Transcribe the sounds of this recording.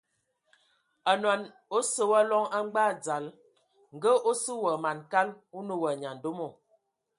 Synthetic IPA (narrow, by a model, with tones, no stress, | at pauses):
a˨nwa˨n | o˦sə˦wa˦lɔ˦ŋa˦ŋ͡mɡ͡ba˦˨d͡za˨l | ŋ˨ɡə˦ʔo˦sə˦wə˨ma˨nka˦l | u˦nə˦wə˨ɲa˨n̩˨do˦mo˨